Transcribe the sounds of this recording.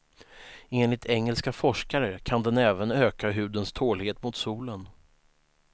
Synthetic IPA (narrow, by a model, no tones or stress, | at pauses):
eːnlɪt̪ʰɛŋːəlskafɔʂkaɾəkʰand̪ɛnɛːvənøːkaɦʉ̟ːd̪ənst̪ʰoːlheːt̪mʊt̪suːlən